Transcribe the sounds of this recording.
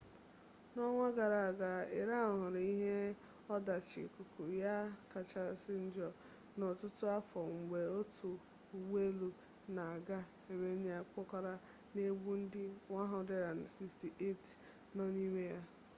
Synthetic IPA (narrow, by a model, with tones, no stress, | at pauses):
nɔ˦ŋʷa˦ɡa˨ɾa˨ɡa˨e˨ɾa˦˨ʊ˨ɦʊ˨ɾɪ˨i˦ɦe˦ | ɔ˦da˨t͡ʃɪ̰˨ku˨kʰu˨ja˦ka˨t͡ʃa˨sɪ˦n̩˦d͡ʒɔ˨ | no˨tʊ˦tʊ˦a˦fɔ˨ŋ̩˨ɡ͡be˨o˦tu˨ | u˨we˦lu˨ | na˨a˨ɡa˦ | e˨me˦nɪ˦a˦k͡pɔ˦ka˦ɾa˦ | ne˦ɡ͡bu˦n̩˦dɪ˦ŋʷa˦ɦʊ˦˨˦de˦ɾa˨n̩˨si˦sti˨ʔe˦˨t | nɔ˦ni˦me˦ja˦